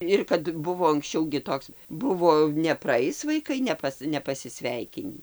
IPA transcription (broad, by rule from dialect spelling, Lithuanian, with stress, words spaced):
ˈɪr kɐt ˈbʊʋoː ɐŋksʲˈt͡ʃʲɛʊ ɡʲɪ ˈtoːks ˈbʊʋoː nʲɛprɐˈɐɪs ʋɐɪˈkɐɪ nʲɛˈpɐs nʲɛpɐsʲɪˈsʲʋʲɛɪkʲɪnʲiː